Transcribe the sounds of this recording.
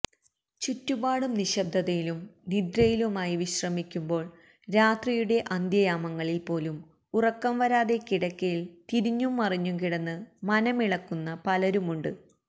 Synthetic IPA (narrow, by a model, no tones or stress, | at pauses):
t͡ɕutːubaːɽumniɕɐb̚d̪ʱɐðɐjilumnid̪ɾɐjilumaːjiʋiɕrɐmikʲːumbo̞ːɭ | ɾaːt̪rijuɽe̞ʔɐnd̪jɐjaːmɐŋːɐɭilpo̞ːlum | urɐkːɐmʋɐɾaːðe̞kiɽɐkʲːɐjilt̪iɾiɲːumːɐriɲːumkiɽɐnːɨmɐnɐmiɭɐkːunːɐpɐlɐɾumuɳɖɨ̰